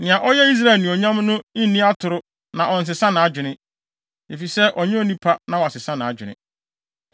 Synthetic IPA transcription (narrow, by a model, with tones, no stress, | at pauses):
nɪ̃˨ã˨ʔɔ˦jɛ˦i˦s̬ɾa˦˨lnʊ̃˨ɔ˨ɲã˦mnʊ̃˦ɪ˦nːĩ˦a˦tʰʊ˨ɾʊ˦ | nã˨ʔɔ˨n̩˨s̬ɪ˨sã˦nɪ̃˨a˨d͡ʑᶣɪ˨nɪ̃˦ | e˨fi˨sɛ˦ʔɔ˨ɲɪ̃˦o˦˨nĩ˦pʰa˦nã˨wa˨sɪ˨sã˦ñ˨a˨d͡ʑᶣɪ˨nɪ̰̃˦